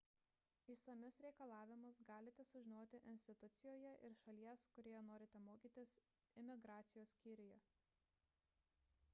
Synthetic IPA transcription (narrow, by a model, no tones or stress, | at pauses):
iːsɐmʲʊsɾʲɛɪkɐlˠɑːʋʲɪmʊsɡɑːlʲɪt̪ʲɛsʊʒʲɪnoːt̪ʲɪʔɪnʲsʲt̪ʲɪt̪ʊt̪sʲɪjoːjɛʔɪɾʃɐlʲiɛskʊɾʲiːjɛnoːɾʲɪt̪ʲɛmoːkʲiːt̪ʲɪs | ɪmʲɪɡɾɑːt̪sʲɪjoːsːʲkʲiːɾʲɪjɛ